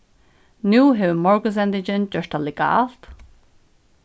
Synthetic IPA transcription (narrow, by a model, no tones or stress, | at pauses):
nuːɦɛwmɔɹɡəz̬ɛnd̪ɪd͡ʒənd͡ʒəʃtalɪɡa̰ːlt̪